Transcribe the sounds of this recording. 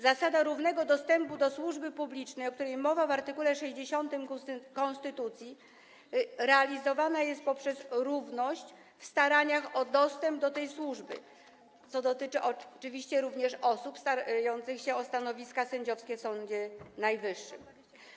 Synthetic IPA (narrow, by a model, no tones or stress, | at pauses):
zasad̪aɾuvnɛɡɔd̪ɔst̪ɛmpud̪ɔswuʐbɘpublʲit͡ʂnɛjɔkt̪uɾɛjmɔvavaɾt̪ɘkulɛʂɛʑd͡ʑeɕɔnt̪ɘmkɔ̃nst̪ɘt̪ut̪sʲji | ɾɛalʲizɔvanajɛst̪̚pɔpʂɛzɾuvnɔɕt͡ɕ | fst̪aɾaɲaxɔd̪ɔst̪ɛmb̚d̪ɔt̪ɛjswuʐbɘ̰ | t̪sɔd̪ɔt̪ɘt͡ʂɘʔɔt͡ʂɘvʲiɕt͡ɕɛɾuvɲɛʂɔsupst̪aajɔnt̪sɘxɕɛɔst̪anɔvʲiskasɛɲd͡ʑɔfskʲɛfsɔɲd͡ʑɛnajvɘʂːɘ̰m